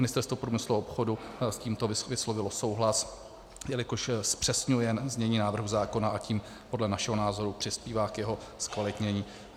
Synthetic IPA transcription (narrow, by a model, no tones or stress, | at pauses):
mɪnɪst̪ɛɾst̪vopɾuːmɪsluopxodusciːmt̪oɪvɪslovɪloso̞wɦlas | jɛlɪkoʃspr̥ɛsɲujɛnzɲɛɲiːnaːvr̩ɦuzaːko̞naʔaciːm | po̞dlɛnaʃɛɦo̞naːzo̞ɾupr̥ɪspiːvaːkjɛɦo̞ | skvalɪt̪ɲɛɲiː